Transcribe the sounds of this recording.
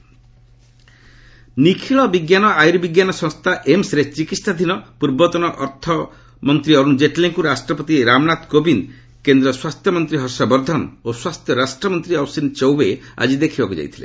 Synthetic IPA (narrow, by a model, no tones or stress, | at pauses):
nikʰiɭɔbiɡjanɔajɾibiɡjanɔsɔ̃ŋst̪ʰaʔemsɾet͡ʃikisad̪ʱinɔpuɾbɔt̪ɔnɔʔɔɾt̪ʰɔ | mɔnt̪ɾiɔɾund͡ʒeʈleŋkuɾasʈɾɔpɔt̪iɾamnat̪kobin | kend̪ɾɔswast̪ʰjɔmɔnt̪ɾiɦɔsɔbɔɾd̪ʱɔnoswast̪ʰjɔɾasʈɾɔmɔnt̪ɾiɔwsint͡ʃɔwbea̰d͡ʒid̪ekʰibakud͡ʒa̰jt̪ʰilḛ